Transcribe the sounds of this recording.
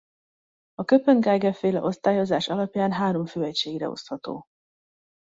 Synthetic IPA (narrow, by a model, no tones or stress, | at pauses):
ɒkøpøŋɡaːɡɛfeːlɛ̰ʔo̞st̪aːjo̞zaːʃɒlɒpjaːnɦaːɾo̞ɱføːɛcʃeːɡrɛ̰o̞̰shɒt̪o̰ː